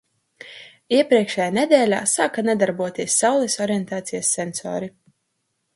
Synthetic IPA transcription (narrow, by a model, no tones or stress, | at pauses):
iɛpɾiɛkʃɛjanɛd̪ʲɛːlʲa̰ːsaːkanɛd̪aɾbuɔt̪iɛsːawlˠɛsɔɾiɛnt̪aːt̪sijasːɛnsɔ̰ːɾi